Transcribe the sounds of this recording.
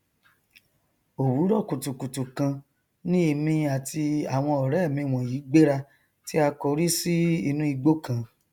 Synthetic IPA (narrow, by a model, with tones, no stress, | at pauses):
o˨wu˨˦ɾɔ˦˨ku˨tu˨ku˨tu˨kã˧ | nĩ˦e˧mĩ˧a˨tʰi˧a˨w̃ɔ̃˧ɔ˨ɾɛ˨˦˨mĩ˧˨w̃ɔ̃˨jiː˨˦ɡ͡be˦ɾa˧ | ti˦a˧kɔ˧ɾi˦si˦i˧nũ˦i˧ɡ͡bo˦kã˨˦